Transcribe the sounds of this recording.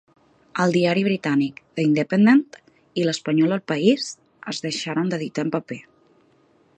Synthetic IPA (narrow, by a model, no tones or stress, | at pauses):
əlˠd̪iaɾiβ̞ɾit̪anikð̥əind̪əpənd̪ent̪ | iləspəɲɔlˠəlˠpəiz | əzðəʃaɾənd̪əðit̪ampəpe